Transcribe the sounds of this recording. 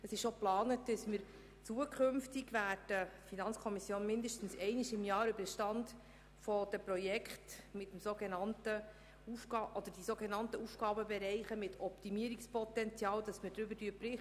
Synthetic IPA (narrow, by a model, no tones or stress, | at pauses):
əsɪʃʃoplɑːnətd̥əsməɾ | t͡suəkχømftiɡʋæːɾd̥əfinɑnt͡skʰɔmisjoːnmɪndəʃtən̩sɛɪniʃɪmjɑːɾʏbəɾʃtɑnd | fɔd̥əpɾɔjɛkχtmɪtːəmsoɡenɑntə | ufɡɑʔɔd̪əɾd̥isoɡenɑntəufɡ̥ɑːbəbɛɾɛɪχəmɪtʰɔptimiəɾikspɔt̪ɛnt͡sjɑːld̥ɑsməd̥ɾʏbəɾdyəpɾɪ